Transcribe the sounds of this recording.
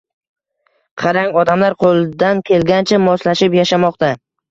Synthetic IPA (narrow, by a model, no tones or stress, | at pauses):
qʰɑɾaŋɒd̪amlaɾqʰolˠd̪ankʲʰe̞lɡʲant͡ʃʰamɒslaʃɪpjaʃamɒqt̪a